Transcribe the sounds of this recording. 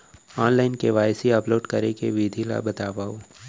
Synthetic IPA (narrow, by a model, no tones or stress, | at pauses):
ɔːnlaːɪnkeʋaːjsiɐploːʈkɐɾekeʋiːd̪ʱila̰bɐt̪aːʋaːoː